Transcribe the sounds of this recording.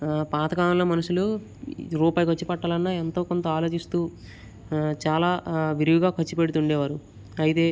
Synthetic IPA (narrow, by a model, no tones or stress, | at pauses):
paːt̪ɐkaːmɐlɐmɐnuʂulu | ɾuːpaːjikɐt͡ʃːipɐʈːaːlɐnːaent̪o̞ːko̞nt̪ɐaːlo̞ːt͡ʃist̪uː | t͡ʃaːlaːʋiɾiʋiɡaːkʰɐt͡ʃːipeɽut̪uɳɖɛːʋaːɾu | ɐjit̪e̞ː